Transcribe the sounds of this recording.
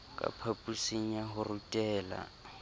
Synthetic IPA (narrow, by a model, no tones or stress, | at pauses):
kʼa̰pʰapʼusiɲ̩aɦʊrutʼɛːla̰